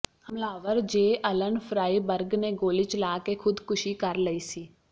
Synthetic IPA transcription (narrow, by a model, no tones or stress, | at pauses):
həmlaːʋəɾd͡ʒeːʔələnpʰɾaːiːbəɾɡneːɡoːlit͡ʃlaːkekʰʊd̪kʊʃiːkəɾləiːsiː